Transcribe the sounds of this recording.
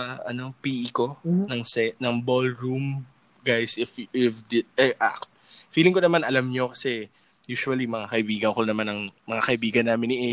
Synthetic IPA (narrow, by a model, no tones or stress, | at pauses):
ɐʔɐ̰nopiːʔɪko̞nɐŋsɛt̪̚nɐŋbolɹum | ɡajsʔɪfɪfd̪ɪt̪̚ɛʔakt̪̚ | fiːlɪŋkonɐmanʔɐlamɲo̞kɐsɛ | juːsuɐlimɐŋakɐʔɪbiːɡɐnkonɐmanɐŋmɐŋakɐʔɪbiːɡɐnːaːmɪnɪʔɛ